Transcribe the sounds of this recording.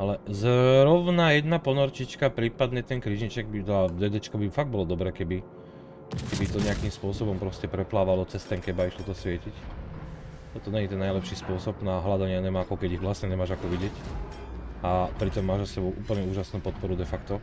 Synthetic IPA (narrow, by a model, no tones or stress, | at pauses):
alɛzɾɔʊnajɛd̪napɔnɔɾt͡ʃit͡ʃkapɾiːpad̪ɲɛt̪ɛnkɾiʒɲit͡ʃɛɡ̚bit̪ad̪ɛd̪ɛt͡ʃkɔbifaɡ̚bɔlɔd̪ɔbɾɛːkɛbi | kɛbit̪ɔɲɛakimspʊɔsɔbɔmpɾɔscɛpɾɛplaːʋalɔt͡sɛst̪ɛŋkɛbaiʃt̪ɔt̪ɔsʋɪɛcic | t̪ɔt̪ɔɲɛɲit̪ɛnːajlɛpʃispʊɔsɔbnaɦlad̪aɲɪaɲɛmaakɔkɛɟiɣʋlasɲɛɲɛmaːʒakɔʋiɟɪɛc | apɾit̪ɔmːaːʒzasɛbɔʊʔuːpl̩ɲɛuːʒasnuːpɔt̪̚pɔɾud̪ɛfakt̪ɔ